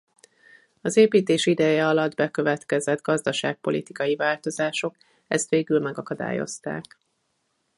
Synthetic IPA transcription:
ɒzeːpiːt̪eːʃid̪ɛjɛɒlɒd̪bɛkø̞vɛt̪kɛzɛd̪ɡɒzd̪ɒʃaːk̚po̞̰lʔḭt̪i̥kɒjivaːlt̪o̞zaːʃo̞k | ɛst̪ʋeːɡylmɛɡɒkɒd̪a̰ːjo̞̰st̪a̰ːk

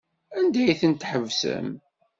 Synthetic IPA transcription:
ænd̪æjθənt̪ħəvsə̰m

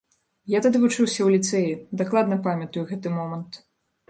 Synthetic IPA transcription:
jat̪ad̪ɨvut͡ʂɨwsʲɐwlʲit̪sɛjid̪aklˠad̪nɐpamʲɐt̪ujuɣɛt̪ɨmɔmɐnt̪

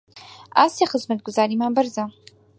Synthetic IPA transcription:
aːseχəzmɐt̪̚ɡʊzaːɾiːmaːbɐɾza

